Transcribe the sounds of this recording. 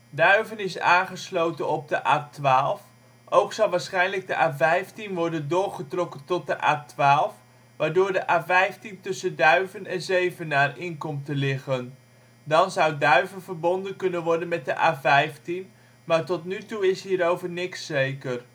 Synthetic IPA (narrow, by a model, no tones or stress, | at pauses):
dœɥvənɪsa̰ːnχəslowtənɔb̚dəʔaːtʋaːlˠf | ʔowksɑlˠʋaːɹsχɛjnləɡ̚dəʔaːvɛjftinʋɔɹdəndʊːɹχətrɔkəntɔt̚dəʔa̰ːtʋaːlˠf | ʋaːɹdʊːɹdəʔaːvɛjftintɵsəndœɥvənɛnzejvənːaːrɪnkɔmtəlɪχən | dɑnzɑwdœɥvənvəɹbɔndənkɵnənʋɔɹdənmɛt̚dəʔaːvɛjftin | maːɹtɔtnytuɪsɦiːɾowvəɹnɪksːejkər